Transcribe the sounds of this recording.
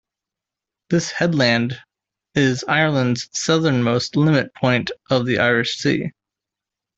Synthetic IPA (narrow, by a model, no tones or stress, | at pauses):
ðɪshɛdˡlæ̃nd | ɪzaɪə˞lˠə̃ndz̥sʌðə̃˞nmoʊstˡlɪ̃mɨt̚pʰɔ̃ɪ̃ntʔʌvðiʔaɪɹɨʃsḭ